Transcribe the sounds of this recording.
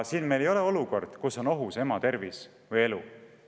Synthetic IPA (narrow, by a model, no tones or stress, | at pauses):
siːnmelejo̞le̞o̞luko̞̰rd̪̥kuso̞no̞ɦuse̞mɑt̪e̞rvis | vɤje̞lu